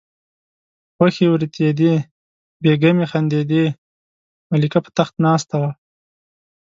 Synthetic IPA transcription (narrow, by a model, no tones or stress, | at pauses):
xwaxiwɾit̪ed̪i | beɡamixand̪ed̪i | malikapə̥t̪axt̪nɑːst̪awa